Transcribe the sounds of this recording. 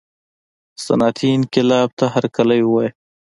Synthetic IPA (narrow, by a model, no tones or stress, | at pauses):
sɐ̰nɑːt̪ʰiɪnkɪlɑːb̚t̪aɦaɾkalajwaj